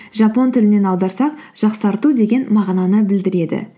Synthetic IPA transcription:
ʒɑpo̞nt̪ʰɪlɪne̞nɑwd̪ɑɾsɑqʒ̥ɑqsɑɾt̪ud̪e̞ɡʲe̞nmɑʁnɑnəbɪld̪ɪɾe̞d̪ɪ̰

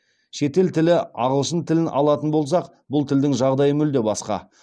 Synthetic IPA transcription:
ʃe̞t̪e̞lt̪ʰɪlɪɑʁəlˠʃənt̪ʰɪlɪnʔɑlˠɑt̪ənbo̞lˠs̬ɑq | bʊlˠt̪ʰɪld̪ɪŋʒɑʁd̪ɑjəmʏld̪e̞bɑsqɑ̰

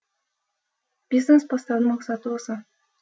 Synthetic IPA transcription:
b̥ʲiznespast̪ɑnmɑqsɑt̪əosɑ

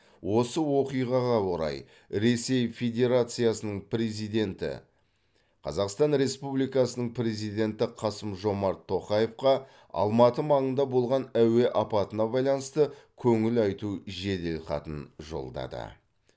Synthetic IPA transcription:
wʔo̞səwo̞qijʁɑʁɑwo̞ɾɑ̰j | ɾe̞se̞jfe̞d̪ʲe̞ɾat̪sɨjasənəɴpɾezid̪e̞nt̪ɪ̰ | qʰɑ̰zɑqst̪ɑnɾe̞spublijkɑsənəɴpɾe̞zijd̪ʲe̞nt̪ɪqʰɑsəmʒo̞mɑɾt̪ʰːo̞qɑje̞fqɑ | ɑ̰lˠmɑt̪əmɑɴənd̪ɑbo̞lˠʁɑnæwe̞ʔɑpɑt̪ənɑbɑjlˠɑnəst̪əkʲʰɵŋɪlɑjt̪uʒe̞d̪elqɑ̰t̪ənʒo̞̰lˠd̪ɑ̰d̪ə̰

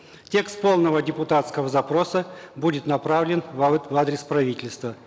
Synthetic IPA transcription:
tʲe̞kst̪̚po̞lˠnəvədʲɪpʊt̪at̪skəvəzɐpɾosəbudʲɪt̪nɐpɾavlʲɪnvvad̪ɾʲɪspɾɐvʲitʲɪlʲst̪və

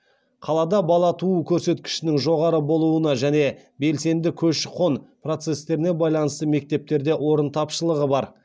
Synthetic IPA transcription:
qʰɑlˠɑd̪ɑbɑlˠɑt̪ʰuəkʲʰɵɾse̞t̪kʲɪ̥ʃɪnɪŋʒo̞ʁɑɾəbo̞lˠuənɑʒæne̞ | be̞lse̞nd̪ɪkʲʰɵʃqʰo̞nprot̪se̞st̪e̞ɾɪne̞bɑjlˠɑnəst̪əme̞k̚t̪e̞p̚t̪e̞ɾd̪e̞wo̞ɾənt̪ʰɑpʃəlˠəʁəbɑɾ

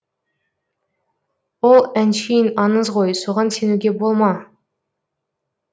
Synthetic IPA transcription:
wolˠænʃijinɑnəzʁo̞jsoʁɑnsenuɡʲe̞bolˠmɑ

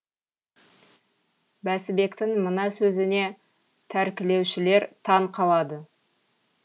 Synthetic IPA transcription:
bæsɪbe̞kt̪ɪŋmənɑsɵzɪne̞ | t̪ʰæɾkʲɪle̞wʃɪle̞ɾt̪ʰɑɴqʰɑlˠɑd̪ə

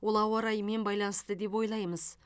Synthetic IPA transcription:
wo̞lˠɑwɑɾɑjme̞nbɑjlˠɑnəst̪əd̪e̞p̬wo̞jlˠɑjməz

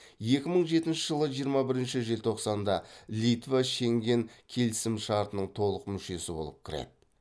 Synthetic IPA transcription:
je̞kʲɪməɴʒe̞t̪ɪnʃɪʒəlˠəʒijəɾmɑbɪɾɪnʃɪʒelt̪ʰo̞qsɑnd̪ɑlʲit̪vaʃe̞ŋɡʲe̞ŋkʲʰe̞lɪsɪmʃɑɾt̪ənəɴt̪ʰo̞lˠəqmʏʃe̞sɪbo̞̰lˠəp̚kʲʰɪɾḛd̪ɪ

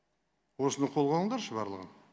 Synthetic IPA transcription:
wo̞sənɑqʰo̞lˠʁɑnəɴˠd̪ɑɾʃəbɑ̰ɾlˠəʁə̰n

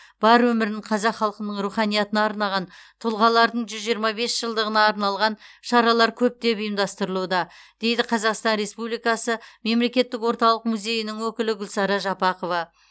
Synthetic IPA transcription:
b̥ɑɾwɵmɪɾnɪɴqʰɑzɑqχːɑlˠqənəɴɾuχɑnijɑt̪ənɑːɾnɑʁɑnt̪ʰʊlˠʁɑlˠɑɾd̪əɴʒʏzʒijəɾmɑbe̞sʒ̥əlˠd̪əʁənɑːɾnɑlˠʁɑnʃɑɾɑlˠɑɾkʲʰɵp̚t̪e̞pijəmd̪ɑst̪əɾəlˠud̪ɑd̪̥e̞jd̪ɪqʰɑzɑqst̪ɑnɾe̞spublijkɑsəme̞mle̞kʲe̞t̪ːɪkwo̞ɾt̪ɑlˠəqmuzʲe̞jɪnɪŋwɵkʲɪlɪɡʲʏlsɑɾɑʒɑpɑqovɑ

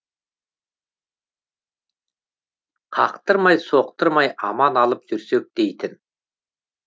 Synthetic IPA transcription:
qʰɑ̰qt̪əɾmɑjso̞q̚t̪əɾmɑjɑmɑnɑlˠəpʒʏɾsek̚d̪̥ejt̪ɪn

